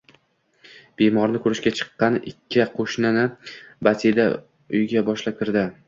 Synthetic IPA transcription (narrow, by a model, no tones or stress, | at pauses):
b̥emɒɾnɪkʰɵɾɪʃɡʲat͡ʃʰɨ̥qːɑnɪkʲʰːɪqʰoʃnɪnɪbat̪ʰed̪a̰ | ʊjɡʲabɒʃlap̚kʲɪɾd̪ɪ